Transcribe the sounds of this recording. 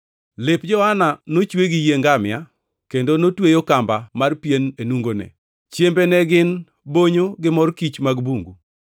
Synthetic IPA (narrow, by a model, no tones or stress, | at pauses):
lɪpd͡ʒɔhananot͡ʃweɡijeŋɡamɪa | kendonotwejokambamarpjenenuŋɡonɛ̰ | t͡ʃjembenɛɡɪn | boɲoɡɪmɔrkit͡ʃmaɡbuŋɡu